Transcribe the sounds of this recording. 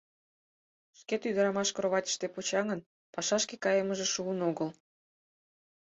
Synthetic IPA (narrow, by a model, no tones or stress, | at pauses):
ʃket̪yd̪əɾɑmɑʃkɾoβɑtʲə̥ʃt̪epot͡ɕɑŋən | pɑʃɑʃkekɑjəməʒeʃuənoɣəl